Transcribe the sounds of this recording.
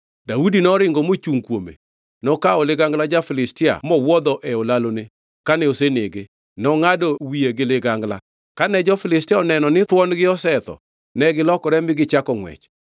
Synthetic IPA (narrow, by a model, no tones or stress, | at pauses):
daudinɔɾɪŋɡɔmot͡ʃuŋkwomḛ | nɔkaɔlɪɡaŋɡlad͡ʒafɪlɪstɪa̰mɔwɔd̪ɔʔɛɔlalone | kanɛoseneɡe | nɔŋadɔwieɡɪlɪɡaŋɡla̰ | kanɛd͡ʒɔfɪlɪstɪaɔnɛnɔnɪt̪wɔnɡɪɔsɛt̪ɔ̰ | nɛɡɪlɔkɔɾɛmɪɡɪt͡ʃakɔŋwɛ̰t͡ʃ